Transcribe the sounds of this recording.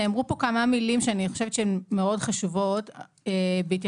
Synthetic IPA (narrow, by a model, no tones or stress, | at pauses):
amʁupo̞kamamilimʃeaniχoʃevet̪t͡ʃeemːeo̞dχaʃuvo̞t | ebeit̬